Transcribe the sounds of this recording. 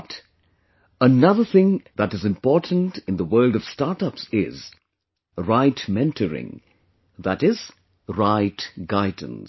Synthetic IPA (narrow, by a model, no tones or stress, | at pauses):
t | ənʌðəθɪ̃ŋðəɾɨzɨ̃mpɔɹtn̩tɨ̃nðəwɜ˞ldʌv̥stɑɹtʌpsɪ̰z | ɹaɪtmɛ̃ntʰəɹɪ̰̃ŋ | ðəɾɪz̥ | ɹaɪtɡ̥aɪd̃ⁿn̩s